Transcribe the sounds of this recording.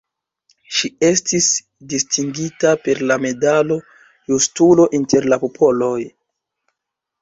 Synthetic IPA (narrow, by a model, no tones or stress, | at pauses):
ʃie̞stis | distiŋɡitape̞ɾlame̞dalo̞ | justulo̞ʔinte̞ɾlapopʰo̞lo̞j